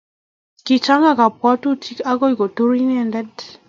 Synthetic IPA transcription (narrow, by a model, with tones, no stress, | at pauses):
ki˨t͡ʃa˦ŋa˦˨ka˨pwa˦tu˦tʰi˦ka˦ɡɔ˦i˨ɡo˨to˦ɾi˦nɛ˦˨ndɛ˦d